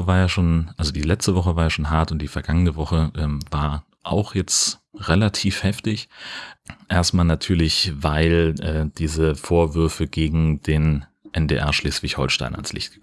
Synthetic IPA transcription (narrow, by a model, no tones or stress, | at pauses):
əvaːɐjaːʃoːnʔalzodiːlɛt͡stəvɔχəvaːɐjaːʃoːnɦaɐtʊntd̥iːfɛɐɡ̥aŋənəvɔχəʔɛːmvaːɐ | ʔa̰ʊxjɛt͡stʁelatʰiːfhɛftɪç | ʔeːɐstmaːlnatʰyːɐlɪçvaɪlʔɛːd̥iːzəfoːɐvʏɐfəɡeːɡŋ̩deːn | ʔɛndeːʔɛ̰ɐʃleːsv̥ɪçhɔ̰lʃta̰ɪna̰nslɪ̰çtɡ̥ɪŋ